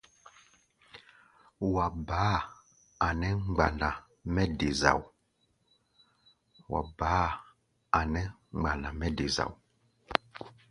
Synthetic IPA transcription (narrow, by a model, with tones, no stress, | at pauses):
wa˨baː˨˦ | a˨nɛ˦ŋ͡mɡ͡ba˨nda˨ | mɛ˦de˨za̰˨w | wʔa̰˨ba˨˦ | a˨nɛ˦ | ŋ͡mɡ͡ba˨na˨mɛ˦de˨za̰˨w